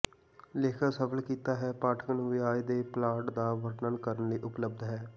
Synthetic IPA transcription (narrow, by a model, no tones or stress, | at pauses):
leːkʰaːsəpʰəlkiːt̪aːɦɛːpaːʈʰkənʋɪaːid̪eːplaːʈd̪aːʋəɾnənkəɾənləiːʔʊpləbd̪ɦɛː